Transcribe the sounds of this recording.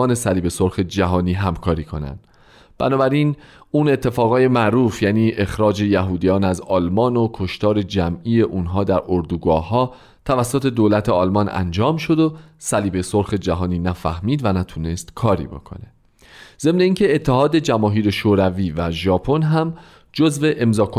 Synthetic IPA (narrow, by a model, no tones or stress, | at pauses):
ɒːne̞sæliːbe̞so̞ɾxe̞d͡ʒæɦɒːniːɦæmkʰɒːɾiːkʰo̞̰næ̰nd̪̥ | b̥æ̰nɒːbæɾiːnuːne̞t̪ʰːe̞fɒːɣɒːje̞mæʔɾuːfjæːniːʔe̞xɾɒːd͡ʒe̞jæɦuːd̪ijɒːnæzɒːlmɒːno̞kʰo̞ʃt̪ɒːɾe̞d͡ʒæmiːje̞ʔuːnɦɒːd̪æɾoɾd̪uːɡɒːhɦɒː | t̪ʰævæsːot̪ʰe̞d̪oːlæt̪ʰeɒlmɒnæ̰nd͡ʒɒːmʃo̞d̪o̞sæliːbe̞so̞ɾxe̞d͡ʒæɦɒːniːnæfæ̰hmiːd̪vænæt̪ʰuːne̞st̪kʰɒːɾḭːbo̞̰kʰo̞̰ne̞ | ze̞mne̞iːŋcʰe̞ːt̪ʰːeɦɒːd̪ed͡ʒæmɒːɦiːɾe̞ʃoːɾæviːvæʒɒːpʰo̞nɦæm | d͡ʒo̞zve̞ʔemzɒːkʰo